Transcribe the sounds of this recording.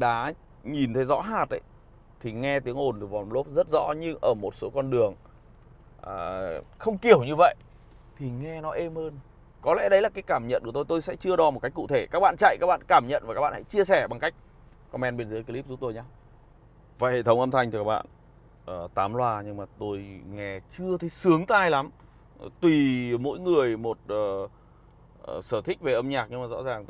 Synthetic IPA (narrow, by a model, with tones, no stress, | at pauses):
ɗa̰ː˨˦ | ɲi˨˩nt̪ʰə˨˦jzɔ̰˧˥ɦaː˨˩t̚ɗə̰˨˦j | t̪ʰi˨˩ŋɛ˧t̪i˨˦əŋʔo˨˩nt̪ʰi˨˩vaː˨˩˨lo˦˥p̚zə˦˥t̚zɔ̰˧˥ɲɨ˧ŋʔəː˧˩mo˨˩t̚so˨˦kɔ˧nɗɨ˨˩əŋ | ʔəː˨˩xə˧wŋ͡mki˨˩əwɲɨ˧və̰˧˨jʔ | t̪ʰi˨˩ŋɛ˧nɔ˨˦ʔe˧mhəː˧n | kɔ˨˦lɛ̰˧˥ɗə˨˦jlaː˨˩kaː˨˦jkaː˧˩mɲə̰˧˨nku˧˩ə˩t̪o˧jt̪o˧jsɛ̰˧˥t͡ɕɨ˧əɗɔ˨˦mo˨˩t̚ka˦˥jk̚ṵ˧˨t̪ʰe˧˩kaː˦˥k̚ɓa̰ː˧˨nt͡ɕa̰˧˨jkaː˦˥k̚ɓa̰ː˧˨nkaː˧˩mɲə̰˧˨nva˨˩kaː˦˥ɓa̰ː˧˨˩ha̰˧˥jt͡ɕi˧əsɛ˧˩ɓa˨˩ŋka˦˥jk̟̚ | kɔ˧mɛ˧nɓe˧nzəː˨˦jki˧li˦˥p̚zu˦˥p̚t̪o˧jɲaː˧ | vaː˧˨jhḛ˧˨t̪ʰə˨˦wŋ͡mʔə˧mt̪ʰa˧jŋ̟ʰ˨˩kaː˦k̚ɓa̰ː˧˨n | ʔəː˨˩t̪aː˨˦mlwaː˧ɲɨ˧ŋmaː˨˩t̪o˧jŋɛ˧t͡ɕɨ˧ət̪ʰə˨˦jsɨ˨˦əŋt̪aː˧jla˨˦m | t̪wi˨˩mo̰˧˥jŋɨ˨˩əjmo˨˩t̚əː˨˩ | səː˧˩t̪ʰi˦˥k̚ve˨˩ʔə˧mɲaː˨˩k̚ɲɨ˧ŋmaː˨˩zɔ̰˧˥zaː˨˩ŋ